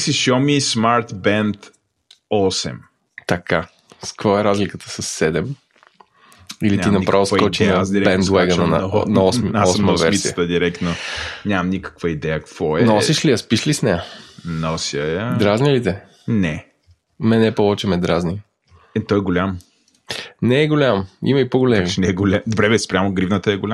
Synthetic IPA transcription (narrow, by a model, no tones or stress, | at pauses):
siʃɔmismaɾt̪bɛnt̪ | ɔsɛ̰m | t̪ɐka | skvɔɛɾazlikət̪ə̥səsːɛd̪ɛm | iliinɐpɾʔavskɔt͡ʃinɐd̪bɛnt̪wɛɡənənɐ̰nɐɔsmɔsməvsvɛɾmisiət̪əd̪iɾɛkt̪noɲʲamɐmnikə̥kvəid̪ɛjəkə̥kvɔɛnɔsiʃliɐspiʃlisnɛjənɔsiəd̪ɾaznilit̪ɛ | nɛ | mɛnɛpɔvɛt͡ʃɛmɛd̪ɾazni | ɛt̪ɔɛɡolʲam | nɛːɡolʲamḭmɐipoɡolɛminɛɡolʲamd̪obɾɛvɛspɾʲamoɡɾivnət̪əɛɡoʊlʲa